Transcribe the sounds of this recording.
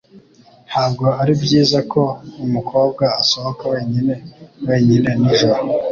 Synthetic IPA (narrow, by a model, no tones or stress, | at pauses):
nhaːbɡo̞aɾibɟiːzakʰo̞umukʰo̞ːb̚ɡaːsoβokowe̞ːɲine̞we̞ːɲine̞nizwa